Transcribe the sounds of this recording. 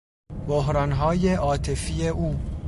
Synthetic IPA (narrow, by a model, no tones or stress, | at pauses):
boɦɾɒːnɦɒːjeʔɒːt̪ʰe̞fiːeʔuː